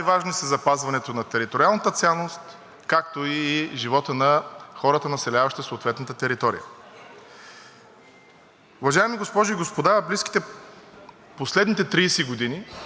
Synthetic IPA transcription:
jvaʒnisəzɐpazvɐnɛt̪onɐt̪ɛɾit̪oɾialˠnət̪ət̪sʲalˠːost̪ | kak̚t̪oiːʒivɔt̪ənɐxɔɾət̪ənɐsɛlʲavɐʃt̪əsoːt̪vɛt̪nət̪ət̪ɛɾit̪ɔɾḭjə̰ | ʊvɐʒajɛmiɡospɔʒʊiɡospod̪abliski̥t̪ɛ | poslɛd̪nit̪ɛt̪ɾijsɛɡod̪ini

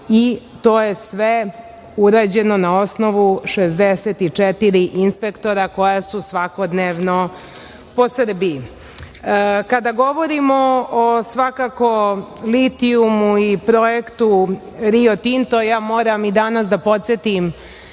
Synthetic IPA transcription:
i | t̪o̞ːje̞sʋe | uɾaːd͡ʑe̞no̞nao̞sno̞ʋuʃezd̪eset̪it͡ʂet̪iɾiʔinspe̞kt̪o̞ɾako̞jasusʋakod̪neːʋno | po̞sr̩biji | kad̪aɡo̞ʋo̞ɾimoosʋakako̞lit̪iumuipɾo̞jekt̪u | ɾiot̪int̪o̞jaːmo̞ːɾamid̪anas̬d̪apo̞t̪set̪im

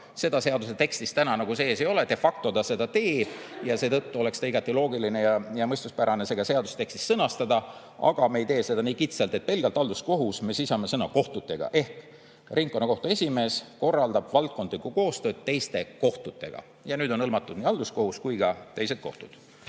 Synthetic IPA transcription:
se̞d̪ɑse̞ɑd̪use̞t̪e̞kst̪ist̪ænɑnɑɡuse̞ːse̞jo̞let̪e̞fɑk̚t̪o̞t̪ɑse̞d̪ɑt̪e̞ːb̥jɑse̞ːt̪ɤt̪ːuo̞le̞kst̪ɑiɡ̥ɑt̪ːˑilo̞ːɡiline̞jɑjɑmɤjst̪uspæɾɑne̞se̞ɡ̥ɑse̞ɑd̪uset̪e̞kst̪istːsɤnɑst̪ɑd̪ɑ | ʔɑ̰ɡ̥ɑmejt̪e̞ːse̞d̪̥ɑniːkit̪selt̪et̪̚pe̞lɡ̥elt̪ɑld̪usko̞ɦusme̞sisɑme̞sɤnɑko̞ht̪ut̪ːˑe̞ɡ̥ɑ̰ʔe̞hk | riŋkkonːɑko̞ht̪uesʲime̞ːsko̞rːɑld̪̥ɑb̥vɑlt̪̚ko̞nd̪likːˑuko̞ːst̪ø̞ːd̪̥̚t̪e̞jst̪e̞ko̞ht̪ut̪ːˑe̞̰ɡ̥ɑ̰ | jɑnyːd̪̥o̞nɤlmɑt̪ːˑud̪̥niːɑld̪̥usko̞huskujɡ̥ɑt̪ejse̞t̪̚ko̞̰ht̪ud̥̪

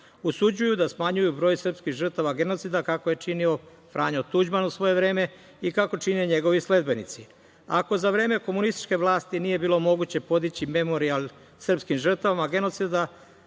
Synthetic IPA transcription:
usud͡ʑujud̪asmaɲujubɾo̞ːjsr̩pskixʒr̩t̪aʋaɡe̞no̞t̪sid̪akako̞je̞t͡ʃinio̞ | fɾʔaːɲot̪ud͡ʑmanusʋo̞je̞ʋɾe̞ːme̞ | ikako̞t͡ʃineɲe̞ɡo̞ʋisle̞d̪be̞nḭt̪si | a̰ko̞zaʋɾe̞ːme̞ko̞munist̪i̥t͡ʃkeʋlˠaːst̪inije̞biːlˠo̞mo̞ɡut͡ɕe̞po̞d̪it͡ɕime̞mo̞ɾialˠ | sr̩pskimʒr̩t̪aʋamaɡe̞no̞t̪sid̪a

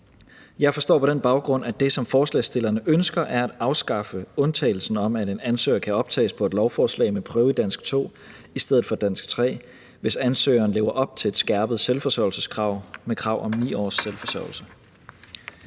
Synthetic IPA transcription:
jɑ̈ɪfɒsd̥ɔ̰ːpʰɒ̽d̥enb̥ɑ̈ʊɡ̥ʁɔ̽n̰æd̥e̝sɒ̽mfɒːslɛ̰ːsd̥e̝lɐnəʔønsɡ̥ɐʔæɐæd̥ɑ̈ʊsɡ̥ɑ̈fəɔ̽nt͡sʰɛ̰ːɪl̩sn̩ɒ̽mæd̥e̝nænsø̰ːɐkʰæɒ̽b̥t͡sʰɛ̰ːspʰɒe̝d̥lɒʊfɒːslɛ̰ɪmepʰʁœːʊid̥æn̰sɡ̥t͡sʰo̝̰ː | isd̥eð̞̰̩ˠfɒ̽d̥æn̰sɡ̥t͡sʰʁɛ̰ː | ʋe̝sænsø̰ːɐːn̩le̝ːʊɐʔɒ̽b̥̚t͡sʰe̝le̝d̥sɡ̥æɐb̥əð̩ˠselfɒ̽sɒʊlsəskʰʁɑ̈ʊ̰mekʰʁɑ̈ʊ̰ʔɒ̽mnḭːɒ̰ːsːelfɒsɒ̰ɐʊl̩sə

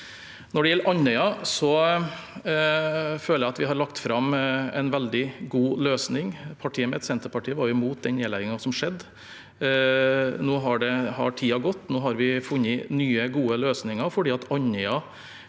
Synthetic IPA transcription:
nɔɖɛjɛlːəɾʔɑnːœʏɑsɔ | føːləjæɪɑt̪ʋɪhɑɾɭɑkt̪fɾɑmɛ̰nʋɛld̪ɪɡuːløːsnɪŋpʰɑʈʰiːəmɛɛt̪sɛnt̪əɾpɑʈʰiːəʋɑɾjʊɪmuːt̪̚d̪ɛnneːlæɪɡɪŋɑsɔmʂɛd̪ː | noːɦɑɖɛhɑ̰ʈʰiːɑɡɔt̪ːnoːɦɑɾʋɪfʉnːəɪnyːəɡuːəløːsnɪŋɑfɔɖiːɑt̪ɑɲœʏɑ

